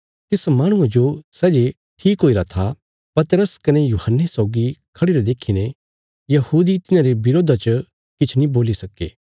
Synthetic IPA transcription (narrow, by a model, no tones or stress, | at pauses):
t̪ɪsmaːɽ̃ʊ̃ãd͡ʒosɛːd͡ʒe | ʈʰiːkɦoːiɾat̪ʰa | pɐt̪ɾəskɐnejuːhənːesɔːʊɡikʰɐɽiɾed̪eːkʰinẽ | jɐhuːd̪it̪ɪnãɾebɪɾoːd̪ʱat͡ʃə | kɪt͡ʃʰnĩboːlisɐkḛː